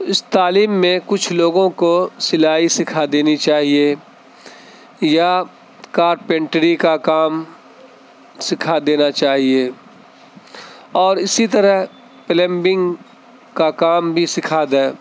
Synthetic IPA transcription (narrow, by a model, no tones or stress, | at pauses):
ɪst̪aːliːmːẽkʊt͡ʃʰloːɡõkosɪlaːɦisɪkʰad̪eːnit͡ʃaːɦie | ja | kaːɾpẽːɳʈɾikakaːm | sɪkʰad̪eːnat͡ʃaːɦieː | ɔːɾɪsit̪əɾəɦ | pɪlɛ̃mbɪ̃ŋɡ | kakaːmbʱisɪkʰaːd̪a